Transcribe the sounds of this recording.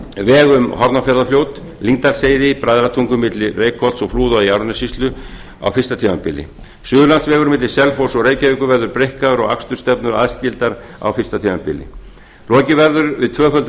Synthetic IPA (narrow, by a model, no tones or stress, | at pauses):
vɛːɣʏmhɔɾt̪nafɛɾðafljowt̪ | liŋt̪aɾ̥seːjðɪpɾajðɾat̪ʰuŋkʏmɪt̪lɪreːjkʰɔl̥t̪sɔɣfluːðaiawɾnasist̪lʏ | a̰wfɪ̥st̪at̪ʰimampɪlːɪ̰ | sʏːðʏlansvɛːɣʏɾmɪt̪lɪ̥sɛlfowsɔɣreːjcaviŋkʏvɛɾðʏɾpɾejhkaðʏɾɔɣa̰kst̪ʏ̥st̪ɛpnʏa̰ðscɪlt̪aɾ | a̰wfɪr̥st̪at̪ʰivampɪ̰lːɪ̰ | lɔːcɪvɛɾðʏɾvɪðt̪ʰvœːfœlt̪